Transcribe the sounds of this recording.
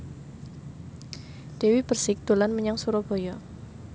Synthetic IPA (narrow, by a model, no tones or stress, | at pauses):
d̥ewib̥ərsɪk̚d̪̥o̤lanməɲaŋsuɾɔb̥ɔ̤jɔ